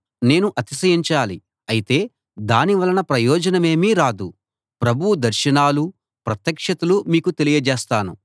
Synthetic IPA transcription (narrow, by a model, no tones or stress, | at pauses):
ne̞ːnuʔɐt̪isɐjiɲt͡ʃaːli | ɐjit̪e̞ː | d̪aːniʋɐlɐnɐpɾɐjɔːd͡ʒɐnɐme̞ːmiːɾaːd̪u | pɾɐbʱud̪ɐɾʃɐnaːlu | pɾɐt̪jɐkʂɐt̪ulumiːkut̪e̞lijɐd͡ʒeːst̪aːnṵ